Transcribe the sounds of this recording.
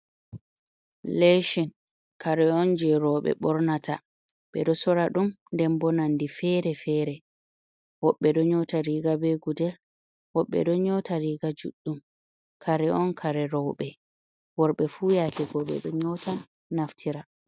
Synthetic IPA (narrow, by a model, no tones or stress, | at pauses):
leʃin | kaɾɛɔnd͡ʒɛɾɔɓɛ̰ɓɔɾnata̰ | ɓɛ̰ɗɔsɔɾaɗum | ndɛmbɔnandifɛɾɛfɛːɾɛ | wɔɓːɛɗɔɲɔtaɾiɡabɛɡudɛl | wɔɓːɛ̰ɗɔɲɔtaɾiɡad͡ʒṵɗːum | kʰaɾɛɔnkʰaɾɛɾɔwɓɛ | wɔɾɓɛfuːjakɛɡɔɓɛ̰ɗɔɲɔtʰa | naftʰiɾa